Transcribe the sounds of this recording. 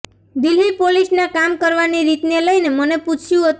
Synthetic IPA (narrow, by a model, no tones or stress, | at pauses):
d̪ilipolisnakamkəɾʋaniɾit̪neləjneməneput͡ʃʰjũɦət̪